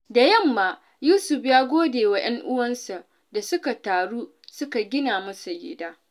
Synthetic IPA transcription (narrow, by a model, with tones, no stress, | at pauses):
da˨jɐ˦˨mːaː˨ | juː˦sʊ˨ɸjaː˦ɡʷoː˦deː˨wa˨j̰ɐ˦ŋʔʊ˦wɐ˦nsa˨ | da˨sʊ˦ka˨taː˨ɽuː˦ | sʊ˦ka˨ɡʲɪ˦naː˨mɐ˦sa˨jɪ̰ː˨˦daː˦